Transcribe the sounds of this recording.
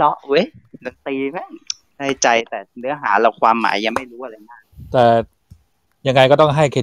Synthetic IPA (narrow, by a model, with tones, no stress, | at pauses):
lɔ˦˥ʔo˦˥jla˨˦t̪iː˧ma˦˥˩ | daː˥˩t͡ɕa˧jt̪ɛː˨˩nɯ˦˥ɐɦaː˩˦lɛ˧˩wkʰwaː˧mːa̰ː˩˦jːa˧ŋma˥˩jɾuː˦˥a˧ɾa˧jmaː˥˩k̚t̪ɛː˨˩ | ja˧ŋːa˧jkɔː˥˩t̪ɔ˥˩ŋɦa˥˩jkʰe˧˩